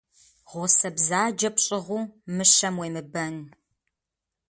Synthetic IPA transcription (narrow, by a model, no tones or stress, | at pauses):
ʁʷɔsɐbzaːd͡ʒɐpɕʼɪʁʷuːmɨʃɐmwejmɨbɐn